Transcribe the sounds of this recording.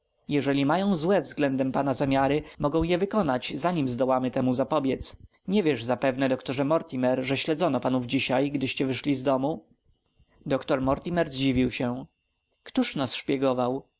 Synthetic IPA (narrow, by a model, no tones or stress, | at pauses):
jɛʐɛlʲimajɔ̃w̃zwɛvzɡlɛnd̪ɛmpanazamʲjaɾɘmɔɡɔ̃w̃jɛvɘkɔnat͡ɕzaɲimzd̪ɔwamɘt̪ɛmuzapɔbʲjɛt̪s | ɲɛvʲjɛʐzapɛvnɛd̪ɔkt̪ɔʐɛmɔɾt̪ʲimɛɾʐɛɕlɛd̪zɔnɔpanuvd͡ʑiɕajɡd̪ɘɕt͡ɕɛvɘʂlʲizd̪ɔmu | d̪ɔkt̪ɔɾmɔɾt̪ʲimɛɾzd͡ʑivʲiwɕɛ | kt̪uʂnasʂpʲjɛɡɔvaw